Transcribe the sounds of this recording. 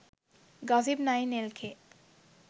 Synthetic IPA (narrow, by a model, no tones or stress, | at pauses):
ɡɔzibnajnelkʰe